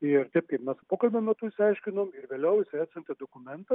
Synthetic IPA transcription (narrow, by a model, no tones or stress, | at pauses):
ɪɾt̪ʲɛɪp̚kɐɪpmʲɛspoːkɐlʲbʲomʲɛt̪uːɪʃʲsʲɐɪʃʲkʲɪnoːmɪɾʋʲeːlʲɛʊɪsʲɛɪsʲɐnʲt̪ʲɛd̪okʊmʲɛnt̪ɐ